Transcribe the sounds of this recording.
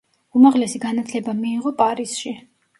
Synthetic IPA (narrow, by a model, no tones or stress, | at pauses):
umaʁlɛsiɡanat̪ʰlɛbamiːʁɔpʼaɾisʃi